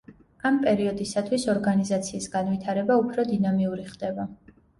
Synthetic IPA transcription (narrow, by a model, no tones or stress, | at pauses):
ampʼɛɾiɔd̪isat̪ʰwisɔɾɡanizat̪sʰiːsɡanwit̪ʰaɾɛbaupʰɾɔd̪inamiuɾiχd̪̥ɛba